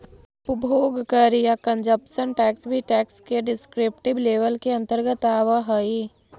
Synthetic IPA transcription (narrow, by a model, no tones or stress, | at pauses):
ʊpbʱoːɡkəɾijakə̃nd͡ʒəpʃənʈɛːksbʱiʈɛːkskeɖɪskɾɪp̚ʈɪbleːʋəlkeɐ̃nt̪əɾɡət̪aːʋəɦəi